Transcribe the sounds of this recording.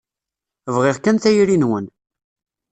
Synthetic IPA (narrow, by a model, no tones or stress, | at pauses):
vʁɪʁkænθæjɾinwən